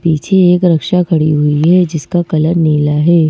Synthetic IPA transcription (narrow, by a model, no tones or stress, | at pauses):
piːt͡ʃʰeeːkɾɐkʃakʰɐɽiɦʊiɦɛd͡ʒɪskakɐləɾneːlaɦɛː